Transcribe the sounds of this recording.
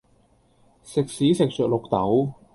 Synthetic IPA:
sɪ˨k̚siː˨˥sɪ˨k̚sœː˨k̚lo˨k̚t̪ɐ˨˥w

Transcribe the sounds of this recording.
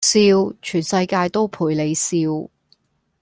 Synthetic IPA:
siː˧wt͡ʃʰyː˨˩nsɐ˧jkaː˧jt̪o˥wpʰuː˨˩jle˨˧jsiː˧w

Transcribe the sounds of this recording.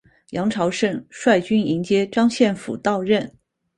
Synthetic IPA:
jɑ˧˥ŋʈ͡ʂʰɑ˧˥ʊʂə˥˧ŋʂwa˥˩ɪt͡ɕy˥ni˧˥ŋt͡ɕjɛ˥ʈ͡ʂɑ˥ŋɕjɛ˥˩nfṵ˨˩t̪ɑ˥˧ʊɻə˥˩n

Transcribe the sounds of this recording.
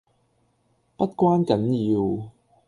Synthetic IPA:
pɐ˥t̚kʷwaː˥nkɐ˨˥njiː˧w

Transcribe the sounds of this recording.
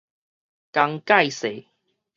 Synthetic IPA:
ka˧ŋka˥˨jse˨˩˦

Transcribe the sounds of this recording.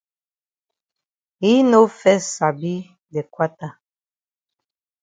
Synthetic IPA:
i˦no˦fɛ˦sa˨bi˦ | dɛ˨kwa˦ta˦˨

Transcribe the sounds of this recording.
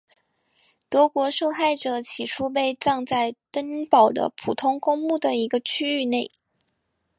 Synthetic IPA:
t̪wɤ˧˥kwɔ˧˥ʂo˥˧ʊxa˥˩ɪʈ͡ʂɤ˨˩˦t͡ɕʰi˨˩ʂʰu˥p̬e˥˧ɪt͡sɑ˥˧ŋt͡sa˥˩ɪt̪ə˥ŋpɑ˨˩ʊd̪ə̰˦pʰu˨˩t̪ʰʊ˥ŋkʊ˥ŋmu˥˩d̪ə˩i˧˥ɡə˧t͡ɕʰy˥y˥˧ne˥˩ɪ

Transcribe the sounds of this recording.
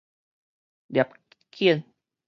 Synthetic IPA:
da˨p̚ | kʰi˦ən

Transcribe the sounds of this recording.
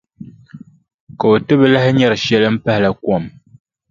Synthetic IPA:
ko˨tɨ˦bɨ˦lɛ˦hɲɛ˦˨ɾʃjɛ˦lɨ˦m̩˦pɛ˦hlɛ˨kwɔ˦˨m

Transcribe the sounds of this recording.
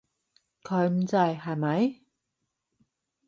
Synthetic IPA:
kʰɵ˨˧ɥm̩˨˦t͡sɐ˧jɦɐ˨jmɐ˨˧˥j

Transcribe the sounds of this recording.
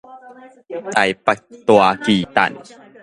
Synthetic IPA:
t̪a˨˩jpa˨˩k̚t̪wa˧kiː˨˩t̪a̰˨˩n

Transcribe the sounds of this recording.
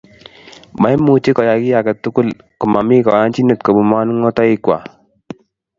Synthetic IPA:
ma˨˦i˦mu˨t͡ʃi˦kɔ˨ja˨ɡɪ˦ja˨kɛ˨t̪ʊ˦kʊ˦l | kɔ˨ma˨mi˦kɔ˨ja˦nt͡ʃi˦no˨tko˨bu˨ma˦n˦ŋɔ˦tɔ˦ɪ˦kwa̰˨

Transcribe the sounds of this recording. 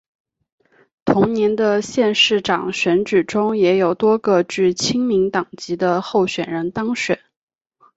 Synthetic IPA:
t̪ʰʊ˧˥ŋnjɛ˧˥nd̪ə˧ɕjɛ˥˧nʂɻ̩˥˩ʈ͡ʂɑ˨˩ŋɕɥɛ˧˥nʈ͡ʂ̩˨˩ʈ͡ʂʊ˥ŋjɛ˧˥jo˨˩ʊt̪wɔ˥ɡə˧ʈ͡ʂɻ̩˥˩t͡ɕʰi˥ŋmi˧˥ŋt̪ɑ˨˩ŋt͡ɕi˧˥d̪ə˧xo˥˩ʊɕɥɛ˨˩nɻə˧˥nt̪ɑ˥ŋɕɥɛ̰˨˩˦n

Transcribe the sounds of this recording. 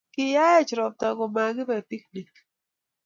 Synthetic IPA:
kɪ˦ja˦ɛ˦t͡ʃɾɔ˨p̚ta˨ɡɔ˨ma˨ɡɪ˦ba˨ti˦kni˨k

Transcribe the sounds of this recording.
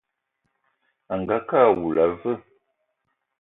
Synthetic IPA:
a˨ŋ˨ɡa˦ka˦˨wu˨la˨və˦˨

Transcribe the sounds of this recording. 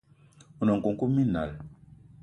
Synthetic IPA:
u˨nɔ˨ŋ˨ku˨ŋku˦mi˦na̰˨l

